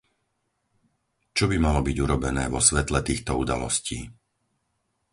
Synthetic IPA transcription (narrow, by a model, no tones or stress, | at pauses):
t͡ʃɔbimalɔbiɟuɾɔbɛnɛːʋɔsʋɛt̪lɛt̪iːxt̪ɔud̪a̰lɔ̰sciː